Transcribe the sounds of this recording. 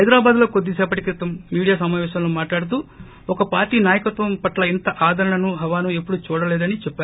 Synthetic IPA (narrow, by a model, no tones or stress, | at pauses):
hɐjd̪ɾaːbaːd̪lo̞ːkod̪ːisɛːpɐʈikɾit̪ɐmːiːɽijaːsɐmaːʋɛːʃɐmlumaːʈlaːɽut̪u | ɔkɐpaːɾʈiːnaːjɐkɐt̪ʋɐmpɐʈlɐint̪ɐʔaːd̪ɐɾɐɳɐnuɦɐʋaːnuepːuɽut͡ʃuːɽɐlɛːd̪ɐnit͡ʃɛpːaːɾ